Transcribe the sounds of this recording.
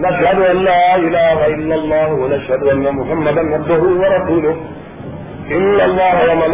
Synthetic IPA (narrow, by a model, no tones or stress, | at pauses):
nɐʃhɐd̪ʊʔalːaːʔɪlaːɦaʔɪlːɐlˤːɑːɦʊwɐnaʃhɐd̪ʊʔanːɐmʊħamːɐd̪ɐnʕɑbd̪ʊɦʊwɐɾˤɑsuːlʊh | ʔɪnːɐlˤːɑːɦwɐmɐn